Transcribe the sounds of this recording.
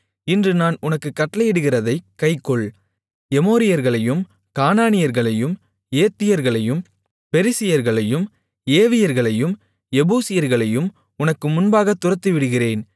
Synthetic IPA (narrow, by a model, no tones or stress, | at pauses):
ɪndrɯnaːnʊnɐkːɯkːɐʈːɐlɐjɪɽɯɣɪrɐðɐɪkːɐɪkːɔɭ | ɛmoːɾɪjɐɾɣɐɭɐjɯm | kaːnaːnɪjɐɾɣɐɭɐjɯm | eːt̪ːɪjɐɾɣɐɭɐjɯm | pɛɾɪsɪjɐɾɣɐɭɐjɯm | eːʋɪjɐɾɣɐɭɐjɯm | ɛbuːsɪjɐɾɣɐɭɐjɯm | ʊnɐkːɯmʊnbaːɣɐt̪ːʊrɐt̪ːɯʋɪɽɯɣɪreːn